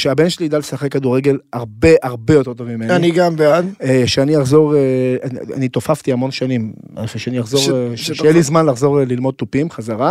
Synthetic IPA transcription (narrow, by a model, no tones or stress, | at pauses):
ʃeabe̞nʃeliːd̪alesaχekːad̪uʁeɡe̞lhaʁbe̞ʔaʁbe̞jo̞t̪e̞ʁt̪ovmimenaniɡambead̪eʃeanijaχzo̞ʁea̰nit̪o̞faft̪iamo̞nʃanim | feʃeaniaχzo̞ʁʃejelizmanlaχzo̞ʁlilmo̞d̪̚t̪upimχazaʁa